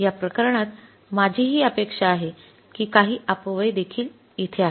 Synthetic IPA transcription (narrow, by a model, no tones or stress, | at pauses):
japɾəkəɾɳ̃at̪ | mad͡ʑʱiːɦiːəpekʂaːɦe | kiːkaɦiːapʋəjd̪ekʰiːl | it̪ʰeaɦ